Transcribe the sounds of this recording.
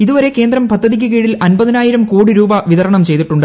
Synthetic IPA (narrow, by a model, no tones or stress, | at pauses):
iðuʋɐɾe̞ke̞ːnd̪rɐmpɐd̪ʱːɐðik̬ʲːɨkeːɻilɐnbɐðinaːjiɾɐmkoːɽiɾuːbɐʋiðɐɾɐɳɐmt͡ɕe̞jt̪iʈːuɳɖɨ